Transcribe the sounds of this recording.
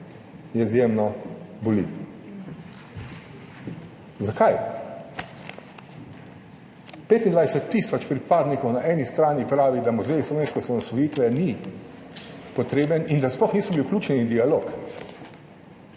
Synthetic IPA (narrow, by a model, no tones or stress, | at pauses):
ɛizjeːmnɔbɔlḭ | zakaj | peːt̪ind̪ʋajsɛt̪ːisɔt͡ʃpɾipaːd̪nikɔwnaʔɛːnist̪ɾaːnipɾaːʋid̪amɔzʋeislɔʋeːnskɔsamɔsʋɔjiːt̪ʋɛni | pɔt̪ɾeːbənind̪asplɔxniːsmɔbiliuwklʲuːt͡ʃɛnid̪ialoːk